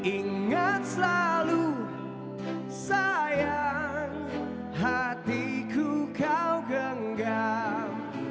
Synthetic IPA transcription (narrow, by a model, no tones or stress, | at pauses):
ʔiŋat̪̚səlalu | sajaŋ | ɦat̪ikʰukawɡəŋɡap̚